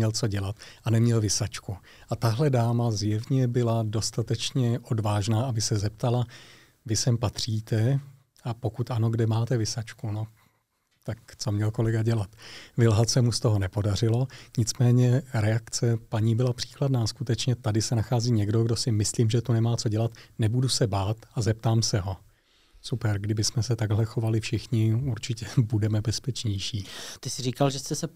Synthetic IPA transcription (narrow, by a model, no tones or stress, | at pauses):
ɲɛlt͡so̞ɟɛlat̪ʔanɛmɲɛlvɪsat͡ʃku | ʔat̪aɦlɛdaːmazjɛvɲɛbɪlado̞st̪at̪ɛt͡ʃɲɛʔo̞dvaːʒnaːʔabɪsɛzɛp̚t̪ala | vɪsɛmpat̪r̝̥iːt̪ɛ | ʔapo̞kut̪ʔano̞ɡdɛmaːt̪ɛvɪsat͡ʃkuno̞ | t̪akt͡so̞mɲɛlko̞lɛɡaɟɛlat̪vɪlɦat̪sɛmust̪o̞ɦo̞nɛpo̞dar̝ɪlo̞ɲɪt͡smɛːɲɛɾɛakt͡sɛpaɲiːbɪlapr̥i̥ːkladnaːskut̪ɛt͡ʃɲɛt̪adɪsɛnaxaːziːɲɛɡdo̞ɡdo̞sɪmɪsliːmʒɛt̪unɛmaːt͡soɟɛlat̪nɛbudusɛbaːt̪azɛp̚t̪aːmsɛɦo̞ | supɛɾɡdɪbɪsmɛsɛt̪aɡɦlɛxo̞valɪfʃɪxɲɪuɾt͡ʃɪcɛbudɛmɛbɛspɛt͡ʃɲɛjʃiːt̪ɪsɪriːkalʒɛst̪ɛsɛ